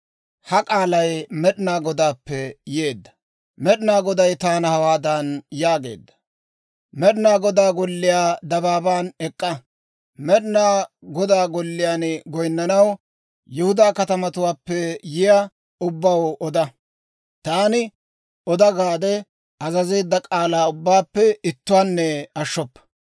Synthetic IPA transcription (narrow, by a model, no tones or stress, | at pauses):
hɐkʼaːlɐjmɛɗnaːɡɔd̪aːpːɛje̞ːd̪ːɐ̥ | mɛɗɪnaːɡɔd̪ɐjt̪aːnɐhɐwaːd̪ɐnjaːɡe̞̰ːd̪ːɐ̥ | mɛɗɪnaːɡɔd̪aːɡɔlːɪjaːd̪ɐbaːbaːnɛkʼːɐ | mɛɗɪnaːɡɔd̪aːɡɔlːɪjaːnɡɔjnːɐnɐw | jʊhʊd̪aːkɐt̪ɐmɐt̪ʊwaːpːɛjɪja | ʊbːɐwʔɔd̪ɐ | t̪aːnɪ | ɔd̪ɐɡaːd̪ɛ | ʔɐzɐzeːd̪ːɐkʼaːlaːʊbːaːpːɛɪt̪ːʊwaːnːɛɐʃːɔpːɐ̥